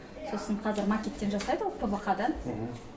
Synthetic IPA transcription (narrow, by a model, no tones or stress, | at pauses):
so̞səɴqʰɑzɪɾmakʲet̪ːe̞nʒɑsɑjd̪əwok̪ʰobɑqɑd̪ɑn